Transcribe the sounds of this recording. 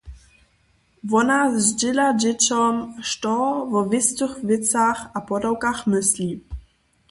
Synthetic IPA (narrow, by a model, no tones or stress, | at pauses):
vɔnazzd͡ʑɪlad͡ʑɛt͡ɕɔmʃtɔvɔvʲɪst̪uxvɪt̪t͡saxapɔdɔwkaxmɪslʲi